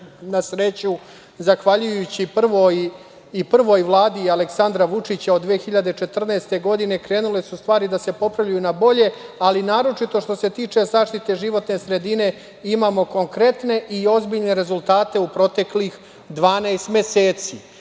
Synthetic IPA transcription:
nasɾe̞t͡ɕu | zaxʋaʎujut͡ɕipr̩ʋoj | ipr̩ʋo̞jʋlˠaːd̪ialeksand̪ɾaʋut͡ʂit͡ɕaod̪ʋexiʎad̪e̞t͡ʃe̞t̪r̩naest̪e̞ɡo̞d̪ine̞kɾe̞ːnule̞sust̪ʋaːɾid̪ase̞po̞pɾavʎujunabo̞ʎe̞alinaːɾo̞t͡ʃit̪o̞ʃt̪o̞se̞t̪iːt͡ʂe̞zaːʃt̪it̪e̞ʒiʋo̞t̪ne̞sɾe̞d̪ine̞ | imaːmo̞ko̞ŋkɾe̞t̪ne̞ʔio̞zbiʎne̞ɾe̞zulˠt̪aːt̪e̞upɾo̞t̪e̞klix | d̪ʋaːnajst̪me̞seːt̪si

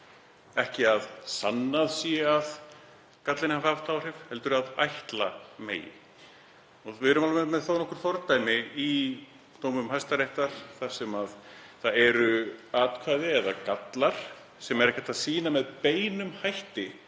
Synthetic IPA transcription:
ɛhcɪaðsa̰nːaðsjɛað | kat̪lɪnhafavt̪ʰawr̥ɪvhɛlt̪ʏɾaða̰jht̪lamḛːjɪ̰ | ɔðvɪðɾʏmalmɛmɛðθownɔhkʏɾ̥θɔɾt̪ajmɪi | t̪oːwmʏmhajst̪aɾejht̪aɾ̥θasɛmaðθaðɛɾʏaːt̪kʰvaːjðɪɛða̰kat̪laɾ̥ | sɛmɛɾɛhcat̪ʰaðsiːnamɛðpeːjnʏmhajht̪ɪ

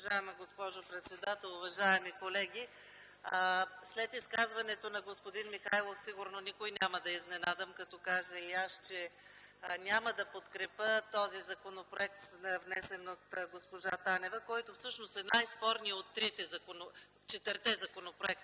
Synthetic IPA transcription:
ʒaɛmɐɡospɔʒopɾɛt̪sɛd̪at̪ɛlˠʊvɐʒaɛmikolɛɡʲi | slɛt̪iskazvɐnɛt̪onɐɡospod̪inmixa̰jlˠofsiɡʊɾnonikojnʲaməd̪ɐiznɛnad̪əmkɐt̪ɔkaʒəiaʃt͡ʃɛ | nʲaməd̪ɐpot̪kɾɛpət̪ɔzizɐkonopɾoɛk̚t̪svnɛsɛnot̪ɡospoʒat̪anɛvəkɔjt̪ʊfsɤt͡ʃnost̪ɛnajspɔɾniot̪ːɾit̪ɛzɐkono | t͡ʃɛt̪vəɾt̪ɛzɐkonopɾoɛk̚t̪

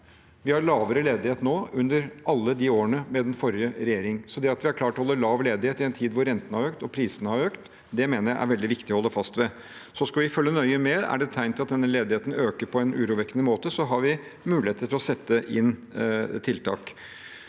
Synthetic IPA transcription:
ʋɪhɑɾɭɑːʋəɾəleːd̪ɪheːt̪noːʉnd̪əɾʔɑlːəd̪iːoːəɳəmɛd̪ɛnfɔɾɪəɾɛjeːɾɪŋsɔd̪ɛɑt̪ʋɪæɾkʰlɑːʈɔhɔlːəɭɑːʋleːd̪ɪheːt̪ɪɛnt̪ʰiːd̪ʋʊɾːɛnt̪ənəhɑɾøːkt̪ɔpʰɾiːsənəhɑɾøːkt̪ | d̪ɛmeːnəɾjæɪʔæ̰ɾʋɛld̪ɪʋɪkt̪ɪɔhɔlːəfɑst̪ʋɛ | sɔskɑʋɪfœlːənœʏəmɛæ̰ɖɛt̪ʰæɪnt̪ɪlɑt̪̚d̪ɛnːəleːd̪ɪheːt̪n̩øːkəɾpʰɔɛnʉːɾuːʋɛkːənəmoːt̪əsɔɦɑɾʋɪ | mʉːlɪeːt̪ət̪ʰɪlɔsɛt̪ːəʔɪnt̪ʰɪlt̪ʰɑ̰ːk

